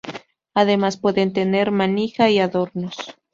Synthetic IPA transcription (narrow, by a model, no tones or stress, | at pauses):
aðe̞maspwe̞ðe̞nt̪e̞ne̞ɾmanixaiaðo̞ɾnos